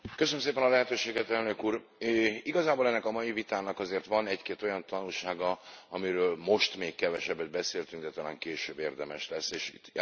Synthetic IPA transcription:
køsønmseːpɛnɒlɛɦɛt̪øːʃeːɡɛt̪ɛlnø̞kuːɾ | øiɡɒzaːboːlɛnːɛkɒmɒjivit̪aːnɒkɒzeːrt̪ʋɒnɛckeːt̪o̞jɒnt̪ɒnulʃaːɡɒɒmiɾøːlmo̞ʃt̪meːkkɛvɛʃɛbːɛd̪̚bɛseːlt̪yŋɡd̪ɛt̪ɒla̰ːŋkeːʃøːbːeːrd̪ɛmɛʃlɛsːeːʃit̪

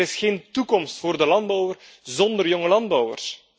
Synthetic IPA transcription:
ɪsxeːntukɔmstfoːrdəlɑnd̚bɔwər | zɔnd̪ərjɔŋəlɑndbɔwə̰rs

